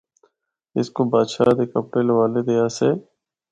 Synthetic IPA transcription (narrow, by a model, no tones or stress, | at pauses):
ɪ̰skobaːd̪ʃaːd̪eːkəpʈeːlʋaːled̪eːaːseː